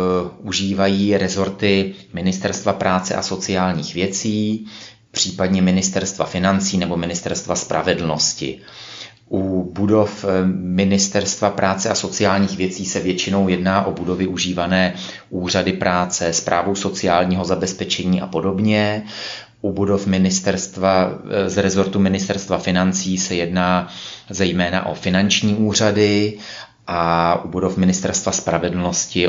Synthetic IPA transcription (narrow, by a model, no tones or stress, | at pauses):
ʔuʒiːvajiːɾɛzo̞ɾt̪ɪmɪnɪst̪ɛɾst̪vapɾaːt͡sɛ̰ʔa̰so̞t͡sɪjaːlɲiːxvjɛt͡siː | pr̝̥iːpadɲɛmɪnɪst̪ɛɾst̪vafɪnant͡siːnɛbo̞mɪnɪst̪ɛɾst̪vaspɾʔa̰vɛdl̩no̞scɪ̰ | ʔubudo̞fmɪnɪst̪ɛɾst̪vapɾʔaːt͡sɛʔaso̞t͡sɪjaːlɲiːxvjɛt͡siːsɛvjɛt͡ʃɪno̞wjɛdnaːʔo̞budo̞vɪʔuʒiːvanɛː | ʔuːr̝adɪpɾʔaːt͡sɛspɾʔa̰ːvo̞wso̞t͡sɪjaːlɲiːɦo̞zabɛspɛt͡ʃɛɲiːʔa̰po̞do̞bɲɛ | ʔubudo̞fmɪnɪst̪ɛɾst̪vazɾɛzo̞ɾt̪umɪnɪst̪ɛɾst̪vafɪnant͡siːsɛjɛdnaːzɛjmɛːna̰ʔo̞̰fɪnant͡ʃɲiːʔuːr̝adɪ | ʔaʔubudo̞fmɪnɪst̪ɛɾst̪vaspɾavɛdl̩no̞scɪ